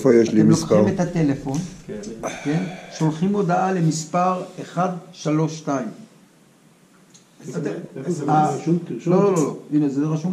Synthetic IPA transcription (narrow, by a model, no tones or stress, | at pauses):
fojeʃliimisamet̪at̪e̞lefo̞nkkenʃo̞lχimo̞d̪aale̞mispaʁeχadʃalo̞ʃtaim | a | lolololoinezeeʁaʃum